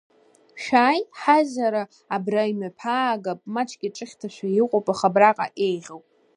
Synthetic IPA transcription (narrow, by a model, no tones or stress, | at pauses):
ʃᶣaːjħazaɾaː | braimapʰaːɡapʼmat͡ʃʼkʲʼɪʈ͡ʂʼɨχʲtʰaʃʷᶣajɪqʷʼopʼaχabraqʼa̰ʔe̞jʁʲawpʼ